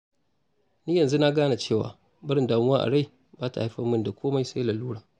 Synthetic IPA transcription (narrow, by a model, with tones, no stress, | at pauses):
niː˦jɐ˨nzu˦na˦ɡaː˦na˨t͡ʃeː˦˨wa̰ː˨ | bɪ˦ɾɪ˦ndaː˨mʊ˦waː˦ʔa̰˨ɽa˦˨j | baː˦ta̰˨ha˦ɸɐ˦mːɪ˦nda˨kʷʰoː˦ma˦jsa˦laː˨luː˦ɽaː˨